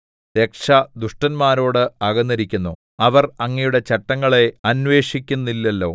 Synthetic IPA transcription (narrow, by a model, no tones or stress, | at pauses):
t̪ekʂɐd̪uʂʈɐnmaːɾo̞ːɽɨɐɣɐnːɐɾikʲːunːu | ɐʋɐrɐŋːɐjuɽe̞t͡ɕɐʈːɐŋːɐɭe̞ɐnʋe̞ːʂikʲːunːilːelːo̞̰ː